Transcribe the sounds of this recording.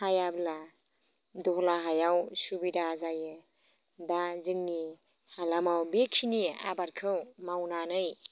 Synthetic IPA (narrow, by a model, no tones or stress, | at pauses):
hajabla | dɔɦlaɦajawsubidazajɯ | dazɯŋni | halamawbekʰinia̰baɾkʰɯwmawnanɯj